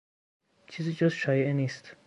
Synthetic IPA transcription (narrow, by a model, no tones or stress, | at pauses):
t͡ʃʰiːzid͡ʒɔsʃɒːjeʔeniːst̪